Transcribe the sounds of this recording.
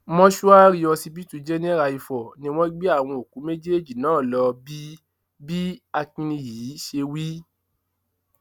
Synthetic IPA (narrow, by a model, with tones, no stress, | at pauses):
mɔ̃˦ʃu˦a˦ɾi˧ɔ˧si˧bi˦tu˦˧d͡ʒɛ˦nĩ˦ɛ˦ɾa˧i˨˧fɔ˨nĩ˧w̃ɔ̃˦ɡ͡bi˦a˦˨w̃ɔ̃˧o˨ku˨˦me˦d͡ʒe˦˨d͡ʒi˨nãː˦˨lɔ˧bi˦ | bi˦a˧kĩ˧nĩ˧jiː˨˦ʃe˧wi˦